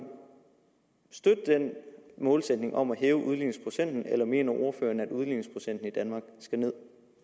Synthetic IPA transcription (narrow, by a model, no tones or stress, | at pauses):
sd̥ød̥əd̥enmɔ̽ːlsed̥ne̝ŋʔɒ̽m̰æɦeːʊʔuð̞ˠliːnŋ̩spʰʁo̝sen̰d̥n̩elɐme̝̰ːnɐʔo̝ɐfø̰ːɐnæd̥uð̞ˠliːneŋ̩spʰʁo̝sen̰d̥n̩id̥ænmɑ̈ːɡ̥sɡ̥æne̝ð̞̰ˠ